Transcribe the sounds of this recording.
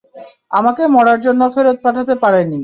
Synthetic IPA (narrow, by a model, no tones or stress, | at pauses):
a̰makemɔɽaɾd͡ʑonːofeɾot̪̚paʈʰat̪epaɾeni